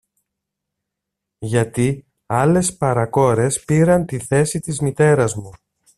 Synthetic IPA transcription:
ʝɐt̪i | ɐle̞spɐɾɐko̞ɾe̞spiɾɐnt̪iθe̞sit̪izmit̪e̞ɾɐzmu

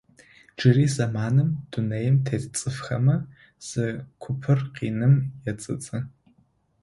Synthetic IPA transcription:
d͡ʒɨriːzamaːnɨmd̥unejɪmtʰett͡sʼɨfχɐmɐ | z̥ɨkʷʰʊpʰɨrqinɨmjɛt͡sʼɨ̰t͡sʼɨ

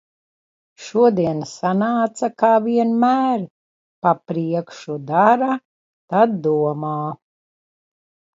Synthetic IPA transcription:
ʃuɔd̪iɛnsanaːt̪sakaːviɛnmæːɾ | papɾiɛkʃud̪aɾa | t̪ad̪̚ːuɔmaː

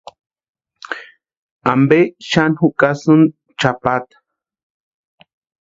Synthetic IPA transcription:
ambeʃanhukʼasun | t͡ʃapat̪ḁ

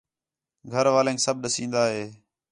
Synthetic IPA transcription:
ɡʱəɾʋaːlẽːŋksəb̚ɗəsĩːnd̪aːɦeː

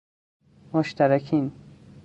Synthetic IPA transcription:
moʃt̪ʰæɾækʰin

